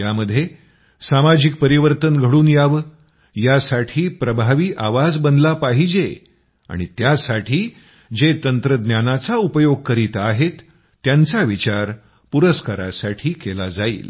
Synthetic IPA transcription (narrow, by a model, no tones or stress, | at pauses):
jaməd̪ʱːje | samad͡ʑik̚pəɾiʋəɾt̪ənɡʱəɽuːnjaʋə | jasaʈʰiːpɾəbʱaʋiːʔaʋad͡zbənd̪lapaɦid͡ʑe | a̰ɽ̃it̪jasaʈʰiː | d͡zet̪ənt̪ɾəd̪njanat͡saupəjoɡ̚kəɾiːt̪aɦet̪ː | jant͡saʋit͡ɕaɾ | puɾəskaɾa̰saʈʰiːkelad͡zaḭːl